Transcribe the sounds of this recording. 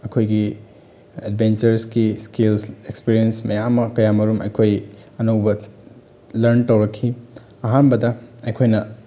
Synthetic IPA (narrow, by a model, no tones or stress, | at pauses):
ɐkʰojɡi | edbent͡ʃɐɾskiskilsekspiɾiensmɐjamːɐkɐjamɐɾumɐjkʰojɐnowbɐ | lɐɾntɐwɾɐkʰːi | ɐɦanbɐdɐɐjkʰojnɐ